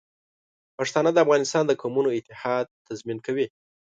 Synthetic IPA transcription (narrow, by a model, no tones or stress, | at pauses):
paʂt̪ɑnəd̪əafɣɑnɪst̪ɑnd̪əkʰomunoɪt̪ɪhɑd̪̚t̪ʰazminkawi